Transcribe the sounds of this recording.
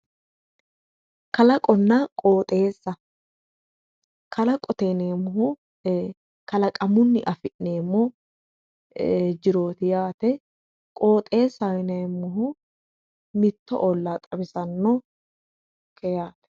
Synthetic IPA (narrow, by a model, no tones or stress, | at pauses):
kɐlɐkʼɔnːɐkʼoːt̪ʼe̞ːsːɐ | kʰɐlɐkʼɔt̪eːneːmːʊɦʊ | kɐlɐkʼɐmʊnːɪʔɐfɪʔneːmːɔ | d͡ʒɪɾo̞ːt̪ɪjaːt̪ɛ | kʼo̞ːt̪ʼe̞ːsɐwɪneːmːʊɦʊ | mɪt̪ːɔ̰ʔolːaːt̪ʼɐbɪsɐnːɔ | kʰɛjaːt̪ɛ̥